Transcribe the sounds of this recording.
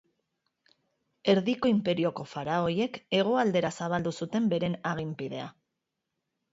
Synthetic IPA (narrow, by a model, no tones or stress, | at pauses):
e̞ɾðiko̞impe̞ɾio̞ko̞faɾao̞je̞ke̞ɣ̞o̞ald̪e̞ɾasaβ̞ald̪usut̪e̞mbe̞ɾe̞naɣ̞impiðe̞a̰